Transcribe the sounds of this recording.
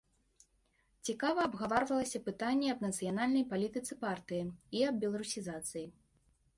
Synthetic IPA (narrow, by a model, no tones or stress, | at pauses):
t͡sʲikavɐːbɣavaɾvɐlˠɐsʲɐpɨt̪anʲːɛɐbnɐt̪sɨjanalʲnɐjpalʲit̪ɨt̪sɨpart̪ɨjiiɐb̚bʲɛlˠɐɾusʲizat̪sɨji